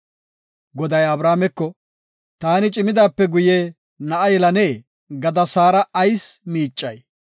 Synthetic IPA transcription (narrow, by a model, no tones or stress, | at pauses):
ɡɔd̪ɐjɐbɾaːmɛkːɔ | t̪aːnɪt͡ʃʼɪmɪd̪aːpːɛɡʊjeː | nɐʔɐjɛlɐneː | ɡɐd̪ɐsaːɾɐːjsmiːt͡ʃʼːɐj